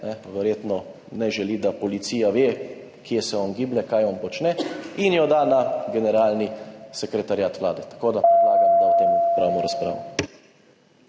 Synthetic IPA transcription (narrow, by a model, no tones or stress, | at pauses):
nɛʋɛɾjeːt̪nɔ | nɛʒɛlid̪apɔlit̪siːjaʋe | kjesɛɔnɡiːblɛkajɔnpɔt͡ʃnɛinjɔd̪anaɡɛnɛɾaːlnisɛkɾɛt̪aɾjaːt̪ʋlaːd̪ɛt̪ḁkoːd̪apɛa̰ːjadaut̪empɾawnɔɾaspɾa̰ːʋɔ